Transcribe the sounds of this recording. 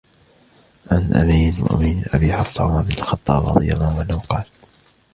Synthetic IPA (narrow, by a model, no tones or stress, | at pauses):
ʔanʔa̰miːnwa̰ʔa̰miːnʔa̰biːħɑfsˤɑ̰ʕʊmamɪnalxɑt̪ˤːɑ̰ːbʔɑ̰ðˤɨ̰jːamawʔanːahʊqɑːl